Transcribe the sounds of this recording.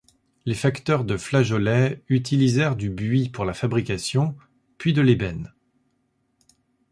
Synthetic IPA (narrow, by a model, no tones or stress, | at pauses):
lefakt̪œʁd̪əflaʒɔlɛyt̪ilizɛʁd̪ybɥipuʁlafabʁikasjɔ̃ | pɥid̪əlebɛn